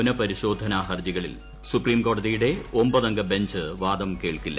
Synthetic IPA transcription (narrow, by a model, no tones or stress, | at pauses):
nɐpɐɾiɕo̞ːd̪ʱɐnaɦɐrd͡ʑiɣɐɭḭl | supriːmko̞ːɖɐðijuɽe̞ombɐðɐŋɡɐbe̞ɲd͡ʑɨʋaːd̪ɐmke̞ːɭkilːɐ̰